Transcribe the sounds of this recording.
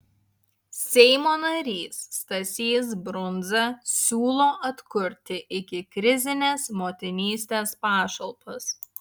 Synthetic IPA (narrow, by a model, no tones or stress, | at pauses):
sʲɛɪmoːnɐɾʲiːst̪ɐsʲiːsbɾʊnzɐsʲuːlˠoːʔɐt̪kʊɾʲt̪ʲɪʔɪkʲɪkɾʲɪzʲɪnʲeːsmoːt̪ʲɪnʲiːsʲt̪ʲeːspɑːʃɐlˠpɐs